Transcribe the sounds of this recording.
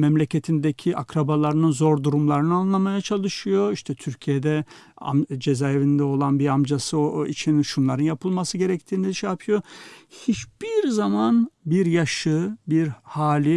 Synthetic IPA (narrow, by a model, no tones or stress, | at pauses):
mɛmlʲe̞cʰet̪ʰind̪ecʰiʔakɾabalˠaɾɯnɯnzo̞ɾd̪uɾumlˠaɾɯnɯanlˠamajat͡ʃʰalˠɯʃɯjo̞iʃt̪ʰɛt̪ʰyɾcʰijed̪ɛ | a̰md͡ʒe̞zajevind̪ɛo̞lˠanbiɾamd͡ʒasɯit͡ʃʰinʃunlˠaɾɯnjapʰɯlˠmasɯɟe̞ɾɛct̪ʰiːniiʃɛjapʰɯjo̞hit͡ʃb̥iɾzamanbiɾjaʃɯbiɾhaːlʲi